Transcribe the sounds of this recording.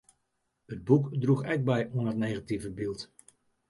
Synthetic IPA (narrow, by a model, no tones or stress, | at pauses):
ɦəd̚bukdruχɛk̚bɛjɔnətnejχativəbɪlˠt